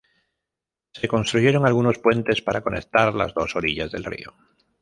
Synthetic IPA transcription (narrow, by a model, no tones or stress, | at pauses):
se̞ko̞nst̪ɾuʝe̞ɾo̞ŋalɣuno̞spwe̞nt̪e̞spaɾako̞nek̚t̪aɾla̰zðo̞so̞ɾiʎazðe̞lrḭo